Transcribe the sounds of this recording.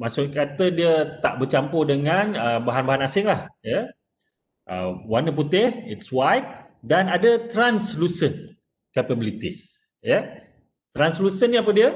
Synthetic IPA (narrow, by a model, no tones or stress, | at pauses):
masʊʔkat̪ədiət̪aʔbət͡ʃampodəŋanəbaɦanbaɦanasɪŋlahjə | ʔə̰wanəput̪ɪhitswajt̚ | danadət̪ɾanslusən | kapəbilit̪is | jə | t̪ɾanslusəniap̬ədiə